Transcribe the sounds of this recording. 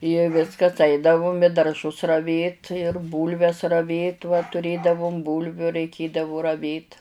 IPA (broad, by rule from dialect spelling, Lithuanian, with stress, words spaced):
ɪ ˈʋʲɪskɐs ˈɐɪdɐʋʊm ɪ dɐrˈʒʊs rɐˈʋʲeːt ɪr ˈbuːlʲʋʲɛs rɐˈʋʲeːt ʋɐ tʊˈrʲeːdɐʋʊm ˈbuːlʲʋʲʊ rɐɪˈkʲeːdɐʋʊ rɐˈʋʲeːt